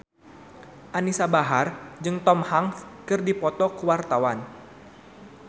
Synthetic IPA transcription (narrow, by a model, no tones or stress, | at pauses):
ʔanisabaɦard͡ʒɨŋt̪ɔmhaŋfkɨrdipɔt̪ɔkəwart̪awan